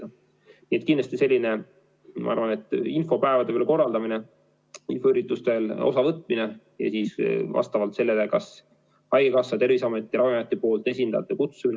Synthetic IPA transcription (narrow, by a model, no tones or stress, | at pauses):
niet̪kind̪lɑst̪ise̞lʲːine | mɑ̰ɑ̰ɾvɑne̞t̪ːˑinfo̞pæevɑd̪e̞veːlko̞rːɑld̪̥ɑmine | infoeɾit̪ːˑust̪elo̞̰sɑvɤt̪ˑmine | jɑ̰siːsvɑ̰st̪ɑvɑlt̪se̞lːelekɑs | hɑjɡ̥ekɑsːɑt̪e̞ɾvisɑme̞t̪ˑːiɾɑwjɑjɑt̪ːˑipo̞ːlt̪ːˑe̞sʲind̪̥ɑjɑ̰t̪ːˑekut̪sumin